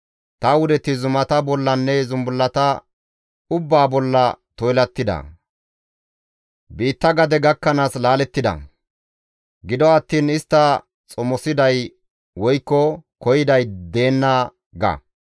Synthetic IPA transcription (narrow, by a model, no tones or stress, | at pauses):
t̪ɐwʊd̪ɛt̪ɪzʊmɐt̪ɐbɔlːɐnːɛzʊmbʊlːɐt̪ɐ | ʊbːaːbɔlːɐt̪ɔjlɐt̪ːɪd̪ɐ̰ | biːt̪ːɐɡɐd̪ɛɡɐkːɐnaːslaːlɛt̪ːɪd̪ɐ̰ | ɡɪd̪ɔɐt̪ːiːnɪst̪ːɐ | t͡sʼɔmɔsɪd̪ɐj | wɔjkːɔkɔjɪd̪ɐjd̪e̞ːnːa | ɡɐ̰